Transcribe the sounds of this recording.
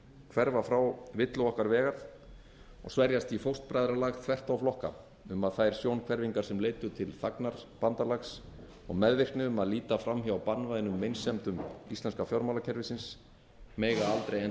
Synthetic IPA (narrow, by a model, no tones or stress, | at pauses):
kʰvɛɾvafɾawvɪt̪lʏɔhkaɾvɛːɣaɾθ | ɔ̰ɣsvɛɾjast̪ifowst̪̚pɾajðɾalaɣt̪ʰvɛr̥t̪awflɔhka̰ | ʏmaðθajɾ̥sjownkʰvɛɾviŋkaɾ̥sɛmleːjt̪ʏt̪ʰɪlθaknaɾ̥pant̪alaxs | ɔ̰ɣmɛðvɪr̥k̪nɪʏmaðliːt̪afɾamçaawpanːvajðɪnʏmːejnsɛmt̪ʏmist̪lɛnskafjɔwɾmalacʰɛɾvɪsɪns | mɛːjɣaalt̪ɾejɛ